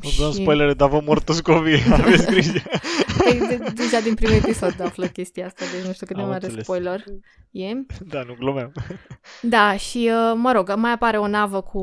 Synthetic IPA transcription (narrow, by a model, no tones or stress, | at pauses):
ot̪əmspojleɾed̪avəmort̪uskovieaveskɾiʃpəj̪ed̪eʒad̪inpɾimue̞piso̞d̪afləkʲe̞st̪ijaast̪ad̪et͡ʃnuʃt̪ukɨt̪emaɾespojlor | jed̪anuɡlomam | d̪aʃiəməɾo̞ɡmajapaɾe̞o̞navəkʰu